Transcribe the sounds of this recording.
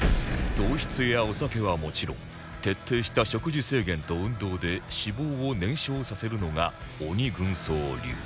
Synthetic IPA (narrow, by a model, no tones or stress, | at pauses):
d̪̥o̞ːɕi̥t͡sɨjao̞sake̞β̞amo̞t͡ɕiɾõ̞̰ŋ | t̪e̞t̪ːe̞ːɕi̥t̪aɕo̞kɯ̟ʑise̞ːɡẽ̞nt̪o̞ɯ̟̃nd̪o̞ːd̪e̞ɕibo̞ːonẽ̞ɰ̃ɕo̞ːsase̞ɾɯ̟no̞ŋa | oɲ̟iɡɯ̟̃ɰ̃soːɾʲɨ̰ː